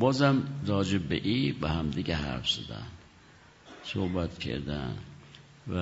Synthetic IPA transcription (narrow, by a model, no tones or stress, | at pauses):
bɒːzæmɾɒːd͡ʒebbḛʔiːbehæmd̪iɡeɦæ̰ɾfz̥æd̪æ̰n | sohbæt̪cʰḛɾd̪æ̰n | væ